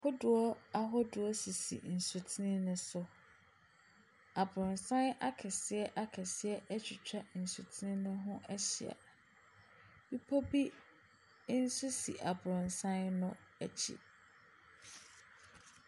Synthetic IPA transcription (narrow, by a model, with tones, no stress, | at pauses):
hʰʊ˦dʊ˨ɔ˦a˦ɦɔ˦dʊ˨ɔ˦si˨sḭ˨n̩˨su˨tʰi˦nɪ̃˦nʊ̃˦sʊ˦ | a˨bɾʊ̃˨nsã˦na˦kʰɛ˨sɪ˨˦ɛ˦ʔa˦kʰɛ˨sɪ˦ɛ˦ʔɛ˦t͡ɕʰᶣɪ˨t͡ɕʰᶣa˦n̩˨su˨tʰi˦ɪ̃˦nʊ̃˦ɦʊ̃˦ɛ˦ɕɪ̰˨a̰˨ | bi˦pʰɔ˦bi˦ | n̩˦su˦sḭ˨ʔa˨bɾʊ̃˨nsã˦nnʊ̃˦æ˨t͡ɕʰḭ˦˨